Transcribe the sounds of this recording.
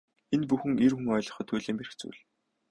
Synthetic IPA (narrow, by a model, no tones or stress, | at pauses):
enpuxɘ̆ŋerxuŋœjɮɞ̆χɞ̆t̪ʰːuːjɮeːmerɘ̆xt͡sṵːɮ